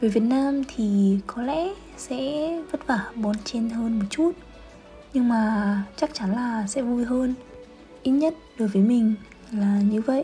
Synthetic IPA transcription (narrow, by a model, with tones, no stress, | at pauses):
vəː˨˦jvi˨˩ət̚naː˧mt̪ʰi˨˩kɔ˨˦lɛ̰˧˥ | sɛ̰˧˥və˦˥t̚vaː˧˩ɓɔ˨˧˦nt͡ɕe˧nɦəː˧nmo˨˩t̚t͡ɕu˦˥t̚ | ɲɨ˧ŋmaː˨˩t͡ɕa˦˥k̚t͡ɕa˨˦nlaː˨˩sɛ̰˧˥vu˧jɦəː˧n | ʔi˦˥t̚ɲə˦˥t̚ɗo˨˩jvəː˨˦jmï˨˩ŋ̟ | laː˨˩ɲɨ˨˧˦və̰˧˨ʔ